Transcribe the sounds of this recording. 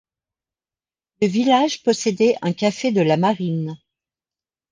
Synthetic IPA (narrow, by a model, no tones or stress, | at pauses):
ləvilaʒpɔsed̪ɛʔɛ̃kʲafed̪əlamaʁin